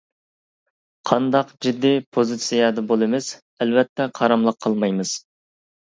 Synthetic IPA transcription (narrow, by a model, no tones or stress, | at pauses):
qʰɑnd̪ɑqd͡ʒid̪ːipʰozɨt̪sijɑd̪ɑbolˠɨmɪs | ɛlvɛt̪ʰːɛqʰɑɾɑmlˠəqʰːɑlˠmɑjmɨz̥